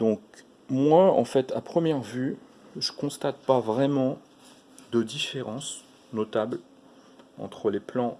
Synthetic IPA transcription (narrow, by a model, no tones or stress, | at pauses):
d̪̥ɔ̃k | mwaɑ̰̃fɛt̪a̰pχəmjɛʁvyʒəkɔ̃st̪at̪̚pavʁɛmɑ̃ | d̪əd̪ifeʁɑ̃s | nɔt̪abl | ɑ̰̃t̪χəleplɑ̃